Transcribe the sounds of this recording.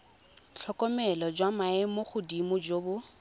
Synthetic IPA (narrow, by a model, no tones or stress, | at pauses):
t͡ɬʰɔkɔmɛlɔd͡ʒwamaɛmoχʊdimʊd͡ʒoːbʊ